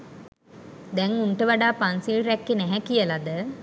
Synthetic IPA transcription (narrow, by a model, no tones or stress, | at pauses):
d̪ɛŋuɳʈəʋaɖaːpansiɭɾɛkːenæɦɛkijəlad̪ə